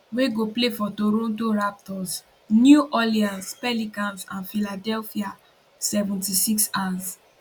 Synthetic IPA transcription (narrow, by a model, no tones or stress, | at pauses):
weɡoplefɔtoɾõntoɹap̚tɔs | njuʔɔliãnspɛlikãnsãnfiladɛlfia | sɛvũntisiksãs